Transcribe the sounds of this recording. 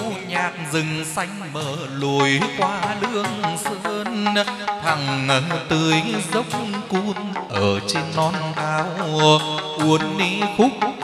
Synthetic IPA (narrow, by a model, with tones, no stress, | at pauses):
ɲaː˨˩k̚zɨ˨˩ŋsa˧jŋ̟məː˧˨˩ | lo˨˩jkwaː˧lɨ˧˥əŋsə˧˦nt̪ʰa˨˩ŋːə˨˩t̪ɨ˨˩əjzə˦˥wk͡p̚ku˧nʔəː˧˩t͡ɕe˧nːɔ˧nkaː˧wəku˧˩ənːi˧˦xʊ˦˥k͡p̚